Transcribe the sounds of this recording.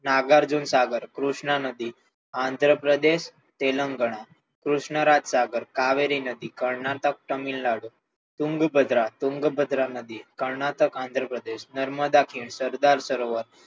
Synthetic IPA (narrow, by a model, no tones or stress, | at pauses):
naɡaɾd͡zuːnsaɡəɾkɾuʂɳanəd̪iː | and̪ʱɾəpɾəd̪eɕ | t̪eləŋɡəɽ̃a | kɾuʂɳəɾat̪saɡəɾkaʋeɾinəd̪iːkəɾɳat̪ək̚ʈəmiːllaɽu | t̪uŋɡbəd̪ʱɾat̪uŋɡbəd̪ɾanəd̪ikəɾɳat̪əkãnd̪ʱɾəpɾəd̪eɕnəɾməd̪akʰiːɳsəɾd̪aɾsəɾoʋəɾ